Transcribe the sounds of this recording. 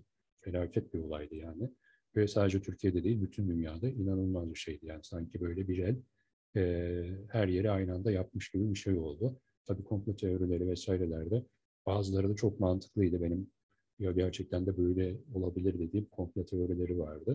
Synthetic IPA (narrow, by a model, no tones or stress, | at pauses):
fe̞lʲaːcʰɛt̪̚bio̞lˠajd̪ɯjaːnɪ | vɛsaːd̪ed͡ʒɛt̪ʰyɾcʰijed̪ɛd̪eilʲbyt̪ʰynd̪ynjaːd̪ainanɯlˠmazbiʃejd̪ijaːnisaɲcʰibø̞jlʲɛbiɾælʲ | ɛːhæɾje̞ɾiajnand̪ajap̚mɯʃɟ̥ibibiʃejo̞lˠd̪ʊ | t̪ʰabiːkʰo̞mflʲat̪ʰeo̞ɾilʲe̞ɾivɛsaːjiɾɛlʲæɾd̪ɛ | b̥aːzɯlˠaɾɯd̪at͡ʃʰo̞k̚mant̪ʰɯ̥klˠɯjd̪ɯbe̞nim | jaɟæɾt͡ʃʰɛc̚t̪ʰænd̪ɛbø̞jlʲɛo̞lˠabilʲiɾd̪e̞d̪iːmkʰo̞mflʲat̪ʰe̞o̞ɾilʲe̞ɾivaɾd̪ɯ